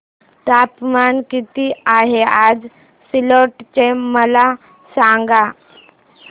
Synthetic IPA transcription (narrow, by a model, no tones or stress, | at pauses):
t̪apmankit̪iaɦead͡z | siloʈt͡ɕeməla | sãŋɡa